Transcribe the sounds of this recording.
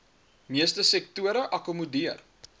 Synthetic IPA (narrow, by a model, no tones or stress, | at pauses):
miəstəsɛk̚tuəɾəʔɐkumudiər